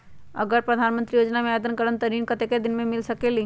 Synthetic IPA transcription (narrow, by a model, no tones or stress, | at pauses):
ə̰ɡəɾpɾəd̪ʱaːnmə̃nt̪ɾijoːd͡ʒnamẽad̪ənkəɾənt̪əɾinkət̪eked̪ɪnmẽmɪlsəkeli